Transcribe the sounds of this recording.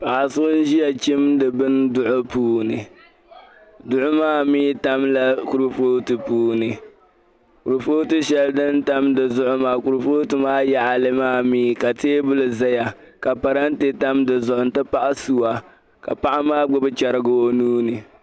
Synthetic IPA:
pa˨ʔa˨sʊ˦ʊ˦n̩˦ʒi˦ja˨t͡ʃi˦mdɨ˨bɨ˦ndʊ˦ʔʊ˦puː˦nɨ˨ | dʊ˦ʔʊ˦maː˦miː˦ta˦mla˦ku˨ɾu˦foː˦tɨ˨puː˦nɨ˨ | ku˨ɾfoː˦tɨ˦ʃɛ˦ldɨ˦nta˦mdɨ˨zʊ˦ʔʊ˦maː˨˦ku˨ɾfoː˦tɨ˨maː˦ja˦ʔa˨lɨ˦maː˦miː˦˨ka˨teː˦bʊ˦lɨ˨za˦ja˨ | ka˨pa˨ɾa˦n˦te˦ta˦mdɨ˨zʊ˨ʔʊ˨n˦tɨ˦pa˦ʔa˦su˨wa˨ | ka̰˨pa˦ʔa˦maː˦ɡ͡bʊ˦bɨ˦t͡ʃɛ˨ɾɨ˦ɡʊ˦o˦nuː˦nɨ˨

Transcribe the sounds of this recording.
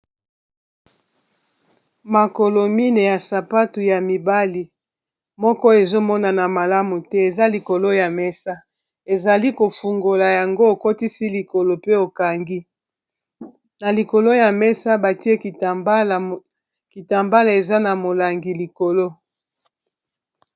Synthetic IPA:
ma˨ko˨lo˨mi˦ne˨ja˨sa˨pa˦tu˨ja˨mi˨ba˦li˨ | mɔ˦kɔ˦e˨zo˦mɔ˦na˨na˨ma˨la˦mu˨tɛ˦e˨za˦li˨ko˨lo˦ja˨mɛ˦sa˦ | e˨za˨li˦ko˨fu˨ŋɡo˨la˨ja˨ŋɡo˦o˨ko˦ti˦si˦li˨ko˨lo˨pe˦o˨ka˨ŋɡi˦ | na˨li˨ko˨lo˦ja˨mɛ˦sa˦ba˨ti˦e˦ki˨bl | ki˨ta˨mba˦la˨e˨za˦na˨mo˨la˨ŋɡi˨li˨ko˨lo˦

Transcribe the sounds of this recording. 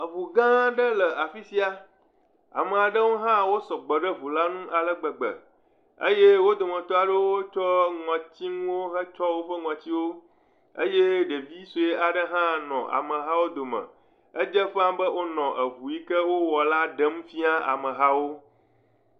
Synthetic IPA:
ə˨vu˨ɡã˦ɖə˦lə˨a˨fi˦si˦a˦ | a̰˨mə˨a˨ɖə˦wo˦ɦã˦wo˦sɔ˨ɡ͡bə˨ɖə˦vu˨la˦nũ˦ʔa˨lə˦ɡ͡bə˨ɡ͡bə̰˨ | ə̰˦je˦wo˦d̪o˨mə̃˨t̪ɔ˦a˨ɖə˦wo˦t͡ʃɔ˦ŋɔ̃˨t͡ɕi˦ŋũ˦wo˦ɦə˦t͡ʃɔ˦wo˦ɸə˦ŋɔ̃˨t͡ɕi˦wo˦ | ə̰˦jɛ˦ɖə˨vi˦so˨e˦a˨ɖə˦ɦã˦nɔ̰̃˨ʔa̰˨mə̃˨ɦa˦wo˦d̪o˨mə̰̃˨ | ə˦d͡ʒə˦ɸã˦mbə˦wo˦nɔ̃˨ʔə˨βu˨ji˦kə˦wo˦wɔ˨la˦ɖə˦m˦fi˦a˦a̰˨mə̃˨ɦa˦wo˦

